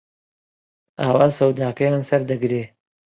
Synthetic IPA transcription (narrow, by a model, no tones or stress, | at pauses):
aːwaːsɐwd̪aːkɐjaːnsɐɾd̪ɐɡɾeː